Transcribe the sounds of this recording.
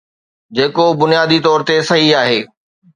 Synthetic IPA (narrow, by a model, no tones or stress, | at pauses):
d͡ʑeːkobʊnijaːd̪it̪ɔːɾt̪esɐɦiaːɦeː